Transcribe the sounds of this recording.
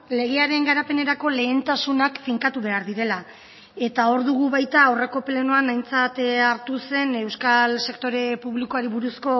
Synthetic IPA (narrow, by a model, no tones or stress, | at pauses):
le̞ɣe̞aɾe̞ŋɡaɾape̞ne̞ɾako̞le̞ːnt̪asunakfiŋkat̪uβ̞e̞aɾðiɾe̞la | e̞t̪ao̞ɾðuɣ̞uβajt̪ao̞re̞ko̞ple̞noanajnt͡sat̪aɾt̪use̞ne̞wskalse̞kt̪o̞ɾe̞puβliko̞aɾiβuɾusko̞